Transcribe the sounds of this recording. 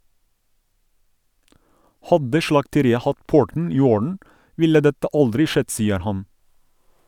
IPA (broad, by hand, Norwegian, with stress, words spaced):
ˈhɑdə ʃɭɑktəˈɾiːə ˈhɑt ˈpʊɹtn̩ ˈiː ˈoːɹn̩ ˈʋɪlə ˈdɛtə ˈʔɑldɾɪ ˈʃɛd ˈsiːəɾ ˈhɑn